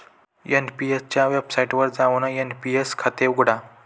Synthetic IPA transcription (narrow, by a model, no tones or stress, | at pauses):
jenpiest͡ɕjaʋebsaiʈʋəɾd͡zaʋnəjenpieskʰat̪eɡuɽa